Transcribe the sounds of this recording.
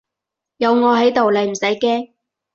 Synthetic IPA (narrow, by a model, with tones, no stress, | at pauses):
jɐ˨˧wŋɔː˨˧ɦɐ˨˥jt̪o˨wle˨˧jm̩˨˩sɐ˨˥jkɛː˥ŋ